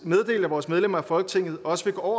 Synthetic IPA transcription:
með̞ˠd̥e̝̰ːld̥æʋɒːsmeð̞ˠlem̰ɐæfɒ̽lɡ̥ə̥t͡sʰe̝ŋ̰ð̩ˠɒ̽səfe̝ɡ̥oɒʊ̰ɐ

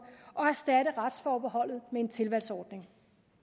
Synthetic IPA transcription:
ʔɒ̽æɐsd̥æɾ̥əʁad̥sfɒːb̥eɦɒ̽l̰ð̞̩ˠmee̝nt͡sʰe̝lʋæl̰sɒːd̥ne̝ŋ

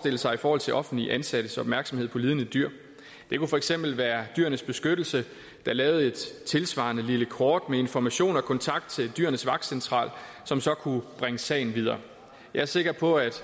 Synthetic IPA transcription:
sd̥e̝l̰əsɑ̈ɪifɒːhɒ̽l̰t͡sʰe̝lʔɒ̽fn̩dliʔænsæɾ̥əsɒ̽b̥mæɐɡ̥sɒ̽me̝ð̰ˠpʰɒ̽liːð̞ˠnəd̥yɐ̰ | d̥e̝kufɒ̽eɡ̥sem̰b̥l̩ʋæːɐd̥yɐnəsb̥e̝sɡ̥ød̥l̩sə | d̥ɑ̈lɛːʊð̩ˠe̝d̥t͡sʰe̝lsʋɑ̰̈nəliləkʰɒːd̥mee̝nfɒmæɕo̝̰ːnɒ̽kʰɒ̽nt͡sʰɑ̈ɡ̥d̥t͡sʰe̝ld̥yɐnəsʋɑ̈ɡ̥̚d̥sent͡sʰʁɑ̰̈ːlsɒ̽msɒ̽kʰub̥ʁaŋəsɛ̰ɪn̩ʋið̞ˠɐ̰ː | jɑɪæɐse̝ɡ̥ɐpʰɒ̽æd̥

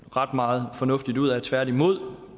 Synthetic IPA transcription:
ʁɑ̈d̥mɑ̈ːð̩ˠfɒ̽nɔ̽fd̥id̥uð̞̰ˠæt͡sʰʋæɐ̰d̥imo̝ð̞̰ˠ

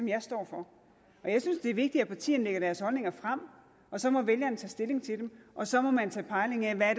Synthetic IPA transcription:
ɒ̽mjɑ̈ɪsd̥ɒ̰ːfɒ̽ | ɒ̽jɑ̈ɪsynsd̥e̝æɐʋe̝ɡ̥̚d̥iæpʰɑ̈t͡sʰḭːn̩leɡ̥ɐɾ̥æɐshɒ̽lne̝ŋɐfʁam̰ | ʔɒ̽sɒ̽mɒ̽ʋeljɐnt͡sʰɛ̰ːsd̥e̝le̝ŋt͡sʰe̝d̥emʔɒ̽sɒ̽mɒ̽mænt͡sʰɛ̰ːpʰɑ̈ɪle̝ŋæʋææɐɾ̥

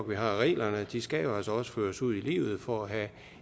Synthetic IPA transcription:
ɡ̥ʋiɦɑ̈ʁɛ̰ːlɐnəd̥isɡ̥æjoæsɒ̽sə̥føːɐsuð̞̰ˠilḭːʊð̞̩ˠfɒæɦæ

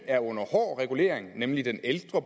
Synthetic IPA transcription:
æɐɔ̽n̰ɐhɒ̰ːʁɛɡ̥ule̝̰ːɐeŋnemlid̥eneld̥ʁɐb

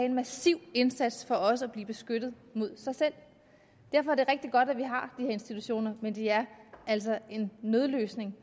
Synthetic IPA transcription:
ɛenmæsiʊ̰e̝nsæd̥sfɒ̽ɒ̽səæb̥liːb̥e̝sɡ̥ød̥ð̩ˠmo̝ð̞̰ˠsɑ̈ɪsel̰ | d̥æɐ̰fɒæɐd̥e̝ʁeɡ̥̚d̥iɡ̥ɒ̽d̥æʋiɦɑ̈d̥iheɐe̝nsd̥it͡sʰuɕo̝̰ːnɐmend̥eæɐæl̰sɒe̝nːøð̞ˠløːsne̝ŋ

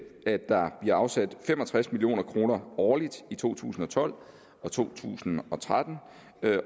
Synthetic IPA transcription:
æ̥ɑ̈b̥liɐɑ̈ʊsæd̥femɒ̽t͡sʰʁasmilio̝̰ːnɐkʰʁo̝ːnɐɒːlid̥it͡sʰo̝̰ːt͡sʰṵːsn̩ɒ̽t͡sʰɒ̽l̰ | ɒ̽t͡sʰo̝̰ːt͡sʰṵːsn̩ɒ̽t͡sʰʁad̥n̩

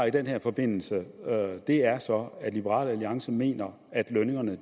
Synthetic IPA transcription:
id̥enheɐ̰fɒ̽b̥e̝n̰l̩səød̥e̝æɐsɒ̽æd̥lib̥əʁɑ̰ːlæliɑ̈ŋsəme̝̰ːnɐ | æd̥løne̝ŋɐnə

